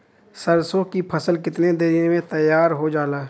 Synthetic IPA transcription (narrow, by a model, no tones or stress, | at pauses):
səɾsõkipʰɐsəlkɪt̪ned̪eɾiẽmẽt̪ɐjːaːɾɦod͡ʒaːlaː